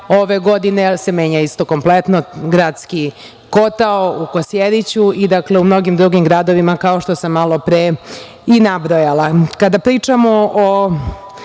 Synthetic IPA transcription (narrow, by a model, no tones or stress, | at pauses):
oʋe̞ɡo̞d̪inese̞me̞ːɲaist̪o̞ko̞mplet̪noɡɾaːd̪ski | ko̞t̪aoukosjed̪it͡ɕuʔid̪akleumno̞ɡimd̪ɾuɡimɡɾad̪o̞ʋimakao̞ʃt̪o̞samːalˠo̞pɾe | inabɾojalakad̪apɾiːt͡ʂamo̞o